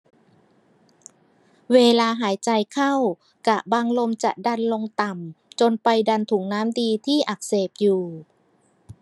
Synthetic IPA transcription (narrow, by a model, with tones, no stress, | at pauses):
weː˧laː˧ɦaː˩˦jt͡ɕa˧jkʰa˥˩w | ka˨˩baː˧ŋlo˧mt͡ɕa̰˨˩ʔda˧nlo˧ŋt̪a˨˩mt͡ɕo˧npa˧jda˧nt̪ʰu˩˦ŋnaː˦˥mdiː˧t̪ʰiː˥˩ʔa˨˩k̚seː˨˩p̚juː˨˩